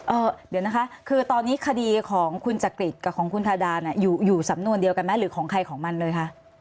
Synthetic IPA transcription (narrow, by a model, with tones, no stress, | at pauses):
ʔɤː˧˩diː˨˩˦əwna˦˥kʰa˦˥ʔkʰɯː˧t̪ɔː˧nːiː˦˥kʰa˧diː˧kʰɔː˩˦ŋkʰu˧nt͡ɕa˨˩kɾi˨˩t̪̚ka˨˩kʰɔː˩˦ŋkʰu˧nt̪ʰaː˧daː˧ni˥˩juː˨˩juː˨˩sa˨˩˦mnu˧əndi˧əwka˧nma˧˦˥ɾɯː˩˦kʰɔː˨˩˦ŋkʰa˧jkʰɔː˩˦ŋma˧nlɤː˧jkʰa˦˥ʔ